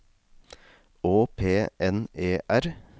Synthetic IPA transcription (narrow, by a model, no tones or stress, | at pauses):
oːpʰeːʔɛneːʔæɾ